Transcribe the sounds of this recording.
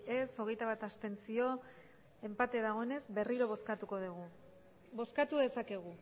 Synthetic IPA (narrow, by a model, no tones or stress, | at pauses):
e̞so̞ɣ̞e̞jt̪aβ̞at̪ast̪e̞nt͡sio̞ | e̞mpat̪e̞ðaɣ̞o̞e̞ne̞zbe̞riɾo̞β̞o̞skat̪uko̞ð̞uɣ̞u | bo̞skat̪uðe̞sake̞ɣ̞u